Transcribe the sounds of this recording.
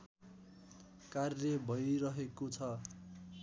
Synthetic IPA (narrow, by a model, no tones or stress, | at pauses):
karjʌbʱʌjɾʌɦekot͡sʰʌ